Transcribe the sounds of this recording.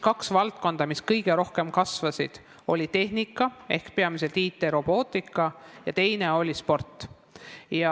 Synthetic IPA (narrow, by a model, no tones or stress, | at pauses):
kɑksvɑlt̪̚ko̞nd̪̥ɑmiskɤjɡ̥e̞ɾo̞hke̞mkɑsvɑsid̪̥ | o̞lʲit̪e̞hnikːˑɑe̞hkpe̞ɑmis̬e̞lt̪iːt̪ːˑe̞ɾo̞b̥o̞ːt̪ˑikːˑɑjɑt̪e̞jne̞o̞lʲispo̞rt̪ːˑ | jɑ